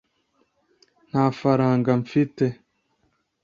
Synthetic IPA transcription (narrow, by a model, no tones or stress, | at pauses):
n̥haːfaɾaːŋɡaɱfite